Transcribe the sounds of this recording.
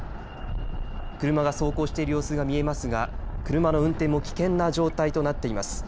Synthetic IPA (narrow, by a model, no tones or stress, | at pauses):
kɯ̟ɾɯ̟maɡaso̞ːkoːɕi̥t̪e̞iɾɯjo̞ːsɨɡamʲie̞masɨɡakɯ̟ɾɯ̟mano̞ɯ̟̃nt̪ẽ̞mːo̞kʲi̥kẽ̞nːaʑo̞ːt̪ait̪o̞nat̪ːe̞imasɨ̥